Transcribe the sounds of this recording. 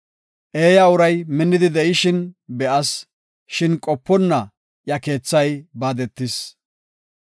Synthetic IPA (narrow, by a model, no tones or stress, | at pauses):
ʔe̞ːjɐʊɾɐjmɪnːɪd̪ɪd̪ɛʔɪʃɪnbɛʔɐs | ʃɪnkʼɔpːɔnːɐ | jɐke̞ːt͡sːɐjbaːd̪ɛt̪ːɪs